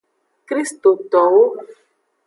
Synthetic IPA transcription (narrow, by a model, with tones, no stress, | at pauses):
kɾi˦st̪o˨t̪ɔ˨wo˦